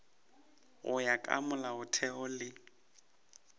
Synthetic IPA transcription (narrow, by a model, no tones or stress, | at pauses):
ʊ̰jakʼa̰mʊlaʊtʰɛʊlɪ